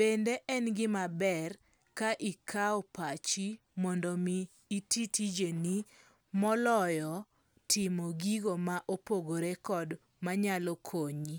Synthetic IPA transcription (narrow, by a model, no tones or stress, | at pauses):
b̥endeʔɛnɡɪmabɛr | kaʔikʰaɔpat͡ʃi | mɔndɔmiː | titʰid͡ʒeni | mɔlɔjɔ | tʰɪmoɡiɡomaʔopoɡoɾekɔd | maɲalɔkʰoɲi